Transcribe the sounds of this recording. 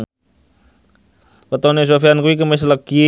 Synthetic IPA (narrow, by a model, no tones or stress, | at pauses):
pət̪ɔnes̬ofiankuikəmes̬ləɡ̥i